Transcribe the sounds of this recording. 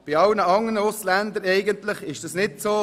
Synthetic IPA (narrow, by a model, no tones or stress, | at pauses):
b̥ɪɑlnəɑŋːənəʊslænd̪əɾɛɪɡənt̪lɪχɪʃd̥ɑsnɪtsoː